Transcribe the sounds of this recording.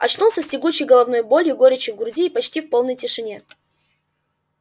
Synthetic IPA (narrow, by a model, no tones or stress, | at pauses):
ɐt͡ɕnulˠsʲəsʲtʲɪɡut͡ɕːɪjɡəlˠɐvno̞jbolʲjʊɡo̞ɾʲɪt͡ɕɪvɡɾʊzʲiːpɐt͡ɕtʲifpo̞lˠnəjtʲɪʂɨnʲe̞